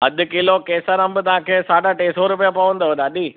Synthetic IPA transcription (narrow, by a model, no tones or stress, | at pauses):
ɦɐd̪ʊkilokeːsəɾɐ̃mbʊt̪ɐɦãkʰeːsaːɖaʈeːsoɾʊpijapɐʋə̃n̆d̪oɦed̪aːɗiː